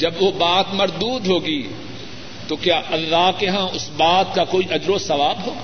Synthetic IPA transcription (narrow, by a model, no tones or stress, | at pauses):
d͡ʒɐbʋobaːt̪mɐɾd̪uːd̪ɦoːɡiː | t̪okjaːʔɐlːaːkeɦãʊsbaːt̪kakoːiʔɐd͡ʒɾosɐʋaːbɦoːɡ